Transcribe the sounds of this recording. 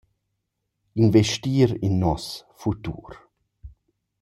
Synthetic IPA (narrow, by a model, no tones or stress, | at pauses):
invɛʃtiːɾinːɔsfut̪ṵːɾ